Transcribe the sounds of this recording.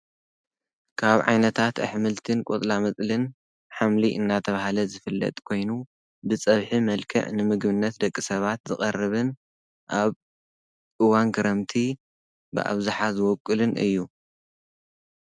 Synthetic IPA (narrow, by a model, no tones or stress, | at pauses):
kʰaβʕa̰jnɐt̪ʰat̪ɐ̰ħmɨlt̪ʰɨnkʷʼot̪ʼlamɐt͡sʼlɨn | ħamliʔɨnːat̪ʰɐβahalɐzɨfɨlːɐ̰t̪ʼkʰo̞jnu | bɨt͡sʼɐβħimɐlkʰɐ̰ʕnɨmɨɡbɨnːɐt̪d̪ɐkʼːisɐβat̪zɨχʼɐrːɨβɨn | ʔaβ | ʔɨwanɡɐɾɐmt̪ʰi | bɨ̰ʔa̰βzaħazɨwɔkʼːɨlɨnʔɨ̰jːu